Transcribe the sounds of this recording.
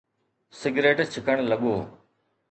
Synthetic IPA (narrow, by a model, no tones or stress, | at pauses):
sɪɡɾeːʈt͡ʃʰɪkəɳ̃ləɠoː